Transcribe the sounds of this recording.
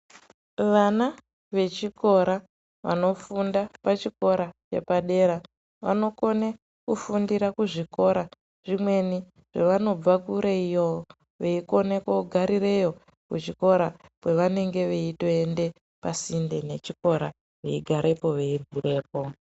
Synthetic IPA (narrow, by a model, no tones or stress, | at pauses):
ʋana | ʋe̞t͡ʃiko̞ɾa | ʋa̰no̞fundapat͡ʃiko̞ɾat͡ʃe̞̰paɗe̞ɾa | ʋa̰no̞ko̞ne | kufundiɾakuʐiko̞ɾa | ʐ̥imwe̞ni | ʐ̥eʋano̞b͡vakuɾeijo | ʋeiko̞nekoɡʱaɾire̞jo̞ | kut͡ʃiko̞ɾakwe̞ʋane̞ŋɡe̞ʋeito̞ende̞ | pasinde̞ne̞t͡ʃiko̞ɾa | ʋe̞iɡʱaɾʔe̞po̞ʋe̞ibʱure̞ːp̚o̞